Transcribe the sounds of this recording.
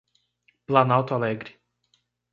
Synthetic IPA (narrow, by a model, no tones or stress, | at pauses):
planawt̪oalɛɡɾʲi̥